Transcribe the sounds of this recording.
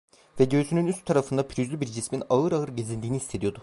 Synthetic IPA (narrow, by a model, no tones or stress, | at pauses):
vɛɟøzynynyst̪t̪ʰːaɾafɯnd̪apʰiɾyzlʲybiɾd͡ʒisminaɯɾaɯɾɟe̞zʲind̪iːniːsʰe̞d̪ijo̞d̪ʊ